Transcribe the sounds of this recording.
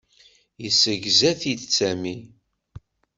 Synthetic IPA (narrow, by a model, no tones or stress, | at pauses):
jəsəʝzæθid̪t͡sːæmi